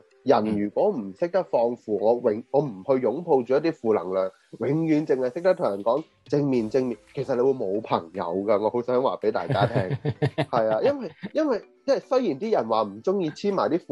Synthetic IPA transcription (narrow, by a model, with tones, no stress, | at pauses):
jɐ˨˩njyː˨˩kʷwɔː˨˥m̩˨˩sɪ˥k̚t̪ɐ˥k̚fɔː˧ŋfuː˨˩ŋɔː˨˧wɪ˨˧ŋŋɔː˨˧m̩˨˩hɵ˧ɥjʊ˨˥ŋpʰo˧wt͡ʃyː˨jɐ˥t̪iː˥fuː˨lɐ̰˨˩ŋlœː˨˩ŋ | wɪ˨˥ŋjyː˨˥nt͡sɪ˨ŋhɐ˨jsɪ˥k̚t̪ɐ˥t̪ʰʊ˨˩jɐ˨˩nkɔː˨˥ŋ | t͡sɪ˧ŋmiː˨˩nt͡sɪ˧ŋmiː˨˩nkʰe˨˩sɐ˨t̚le˧wu˨˧jmo˨˧wpʰɐ̰˨˩ŋjɐ̰˨˧wkɐ˧ŋɔː˨˧ho˨˥wsœː˨˥ŋwaː˨˩pe˨˥jt̪a̰ː˨˩jaː˥t̪ʰɛː˥ŋhɐ˨jaː˧jɐ˥nwɐ˨jjɐ˥nwɐ˨jt͡sɐ˥˨˩sɵ˥ɥjiː˨˩nt̪iː˥jɐ˨˩nwaː˨m̩˨˩t͡sʊ˥ŋjiː˧t͡sʰiː˥maː˨˩jt̪iː˥fuː˨